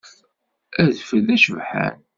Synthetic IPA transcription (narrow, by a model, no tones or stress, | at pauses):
æðfəðæʃəvħæ̰n